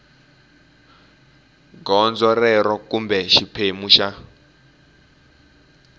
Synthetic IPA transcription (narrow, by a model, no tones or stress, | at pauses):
ɡɔnd͡zɔrɛɾɔkumbɛʃipʰemuʃa